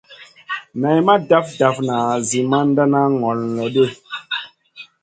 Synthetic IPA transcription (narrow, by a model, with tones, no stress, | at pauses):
na˨jma˦da˦fda˨fna˨zi˨ma˦n˦da˦na˦ŋɔ˨llɔ˨de˦˨